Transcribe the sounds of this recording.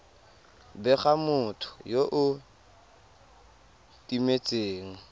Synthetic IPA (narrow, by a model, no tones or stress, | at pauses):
bɛχamʊtʰʊ̥joʔʊ | tʼimet͡sʼeːŋ̩